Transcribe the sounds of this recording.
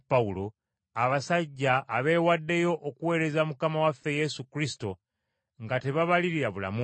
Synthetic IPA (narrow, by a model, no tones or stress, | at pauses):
pːaulo̞ | aβasaɟːaːβe̞wadːe̞jo̞ʔːkuwe̞ːɾe̞zamukamawafːe̞je̞sukɾisi̥to̞ | ŋɡate̞βaβaliɾiɾaβula̰mu